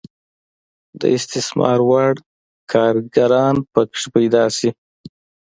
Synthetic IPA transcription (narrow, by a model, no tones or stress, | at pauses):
d̪ə̰ɪst̪ɪsmɑ̰ɾwaɽ | kʰɑɾɡaɾɑnpəkʂpajd̪ɑsi